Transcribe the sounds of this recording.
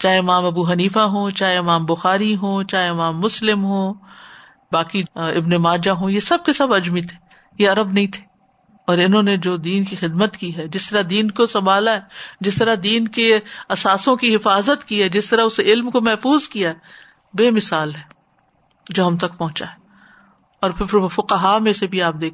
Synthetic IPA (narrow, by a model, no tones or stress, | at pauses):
t͡ʃaːɦeɪmaːmɐbuɦɐniːfaɦõːt͡ʃaːɦeɪmaːmbʊxaːɾiɦõːt͡ʃaːɦeɪmaːmːʊslɪmɦõː | baːkiɪbnemaːd͡ʒaɦõjesɐb̚kesɐbɐd͡ʒmit̪ʰe̥ | jeɐɾəbnɐɦĩt̪ʰe̥ | ɔːɾɪnɦõːned͡ʒoːd̪iːnkixɪd̪mət̪kiɦɛd͡ʒɪst̪ɐɾad̪iːnkosɐmbʱaːlaɦɛd͡ʒɪst̪ɐɾad̪iːnkeɐsaːsõkiɦɪfaːzət̪kiɦɛd͡ʒɪst̪ɐɾaʊseɪlmkomɛɦfuːzkijaɛ | beːmɪsaːlɦɛː | d͡ʒoːɦɐmt̪ɐkpɐɦʊ̃t͡ʃaɦɛ | ɔːɾpʰɪfʊqəɦamẽsebʱiaːp̚d̪eːkʰː